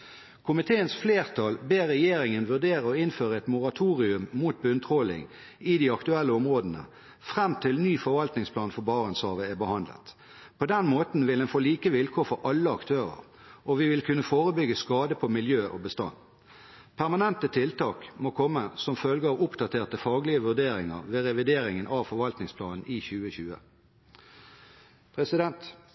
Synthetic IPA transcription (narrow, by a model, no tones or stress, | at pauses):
kʰʊmɪt̪ʰeːənsfleːʁt̪ʰɑlbeːʁɛjeːɾɪŋənʋʉʁd̪eːʁəɔɪnføːʁəɛt̪mʊʁɑt̪ʰuːʁɪʉmːuːt̪̚bʉnt̪ʰʁɔlɪ̰ŋ | ɪd̪iːɑkt̪ʉɛlːəɔmʁoːd̪ənə̰ | fʁɛmt̪ʰɪlnyːfɔʁʋɑlt̪nɪŋspʰlɑːnfɔbɑːʁənshɑːʋəæbəhɑnd̪lə̰t̪ | pʰɔd̪ɛnmoːt̪n̩ʋɪldɛnfoːliːkəʋɪlkʰoːfɔɾʔɑlːəɑkt̪ʰøːʁə̰ʁ | ʔɔʋɪʋɪlkʰʉnːəfoːʁəbʏɡəskɑːd̪əpʰɔmɪljøːʔo̰bəst̪ɑ̰n | pʰæʁmɑnɛnt̪ət̪ʰɪlt̪ɑːkmoːkʰɔmːəsɔmfœlɡəɑʋʊpd̪ɑt̪ʰeːʁt̪əfɑːɡlɪəʋʉʁd̪eːʁɪŋə̰ʁʋeːʁɛʋɪd̪eːɾɪŋənʔɑʋfɔɾʋɑlt̪nɪŋspʰlɑːnn̩ʔiçʉːəçʉːə̰ | pʰʁɛsɪd̪ɛnt̪